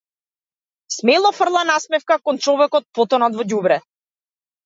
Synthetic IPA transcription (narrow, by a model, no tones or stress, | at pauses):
smɛlˠɔfr̩lˠanasmɛfkakɔnt͡ʃɔvɛkɔt̪̚pɔt̪ɔnad̪vɔɟubɾɛ